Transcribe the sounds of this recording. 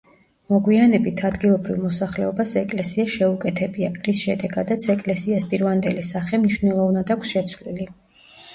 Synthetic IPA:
mɔɡwianɛbit̪ʰad̪ɡilˠɔbɾivmɔsaχlɛ̰ɔbasɛkʼlɛsiaʃɛukʼɛt̪ʰɛbiapʼʁisʃɛd̪ɛɡad̪at̪sʰɛkʼlɛsiaspʼiɾvand̪ɛlisaχɛmniʃvnɛlˠɔvnad̪akʰʷsʃɛt̪sʰvlili

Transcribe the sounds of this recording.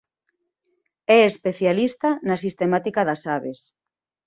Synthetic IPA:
ɛespeθjalist̪anas̬ist̪emat̪ikaðasaβes

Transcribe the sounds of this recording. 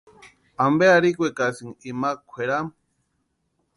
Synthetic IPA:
ambeaɾikʷekasiŋimakʷʰweɾam

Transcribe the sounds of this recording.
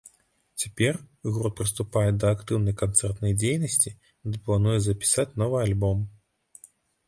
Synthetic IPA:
t͡sʲapʲɛrɣɾɔt̪̚pɾɨst̪upajɛd̪ɐːkt̪ɨwnɐjkant̪sɛrt̪nɐjd͡zʲejnɐsʲt͡sʲi | d̪ɨplˠanujɛzɐpʲi̥sat͡sʲnɔvɨjalʲbɔm

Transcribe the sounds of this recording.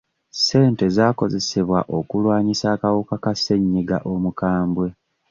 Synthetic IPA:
se̞ːnte̞zaːko̞ze̞seβwaʔo̞kulwaːɲisaːkawukakase̞ɲːiɡa̰ʔo̞mukaːmbwe̞

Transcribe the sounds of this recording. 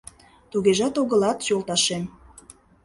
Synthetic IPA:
t̪uɣeʒɑt̪oɣə̆lɑt̪jolˠt̪ɑʃem

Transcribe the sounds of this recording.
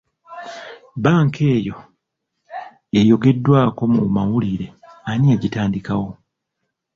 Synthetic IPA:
baːŋkʰe̞ːjo̞ | e̞jo̞ɡe̞dːwaːko̞mumawuliɾe̞anieɟitaːndikawo̞

